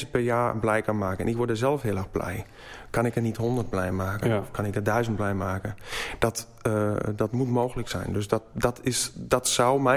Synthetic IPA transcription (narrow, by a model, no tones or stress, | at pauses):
səpɛrjaːblɛjkanmaːkəɛ̰nɪkʋordəsɛlˠfhɪəlˠɛɣb̥lɛ̰j | kʰanɪkənithondərt̚blɛjmaːkənɔfkʰanɪkədœɥzənt̚blɛjmaːkəd̥ɔt | dɔtmutmoːxələksɛ̰jndøsdɔdɔtʰɪsdɔtsawmɛ